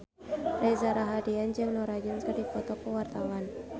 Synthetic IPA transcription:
ʔajzaɾaɦadiand͡ʒaŋlɔɾad͡ʒɔnkardipɔt̪ɔkəwart̪awan

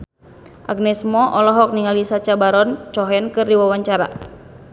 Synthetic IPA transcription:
ʔa̰ɡ̚nɛsmɔʔɔlɔɦɔk̚niŋalisat͡ʃabaɾɔnt͡ʃɔɦɛnkɨrdiwawaɲt͡ʃaɾa̰

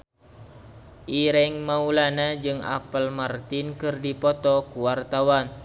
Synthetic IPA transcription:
ʔiɾɛŋmaulanad͡ʒɨŋa̰pəlmart̪inkɨrdipɔt̪ɔkuwart̪awan

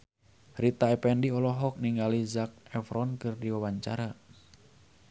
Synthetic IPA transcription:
hɾit̪aɛpɛndiɔlɔɦɔk̚niŋalizak̚ɛfɾɔnkɨrdiwawaɲt͡ʃaɾa

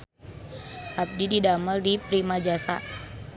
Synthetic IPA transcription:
ʔab̚dididaməldipɾimad͡ʒasa̰

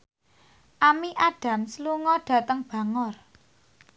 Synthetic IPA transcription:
ʔamiʔaɖ̥a̤msluŋɔɖ̥ä̤t̪əŋb̥ä̤ŋɔr

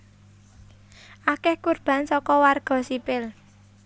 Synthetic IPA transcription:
ʔakɛhkurb̥a̤nsɔkɔwarɡ̥ɔ̤sipɪl

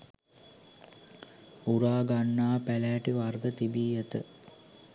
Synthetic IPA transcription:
uɾaːɡanːaːpælæːʈiʋarɡət̪ibiːjət̪ə

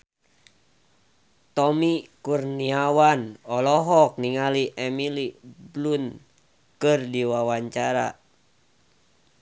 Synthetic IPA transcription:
t̪ɔmikurniawanɔlɔɦɔk̚niŋaliʔɛmiliblun | kɨrdiwawaɲt͡ʃaɾa̰

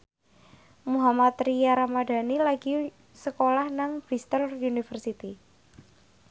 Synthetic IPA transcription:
muɦamat̪ɾijaɾamada̤nilaɡ̥i | səkolahnaŋb̥ist̪ərunifərsit̪i

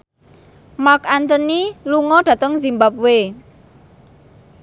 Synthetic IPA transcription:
makant̪əniluŋɔɖ̥ä̤t̪əŋzimbap̚we

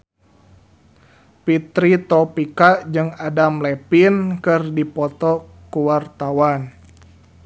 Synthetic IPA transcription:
pit̪ɾit̪ɔpikad͡ʒɨŋadamlɛpinkɨrdipɔt̪ɔ | kuwart̪awan

